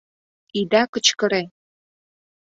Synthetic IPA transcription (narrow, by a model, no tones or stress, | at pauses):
id̪ɑkə̆t͡ɕkə̆ɾe